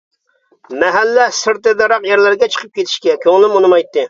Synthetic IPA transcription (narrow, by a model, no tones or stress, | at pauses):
mɛɦælːɛsɨɾt̪ɨd̪ɑɾɑqjɛɾlɪɾɡʲɛt͡ʃʰə̥qʰəp̚kʲet̪ʰɪ̥ʃkʲɛkʲʰøŋɪlɪmonɨmɑjt̪ːɨ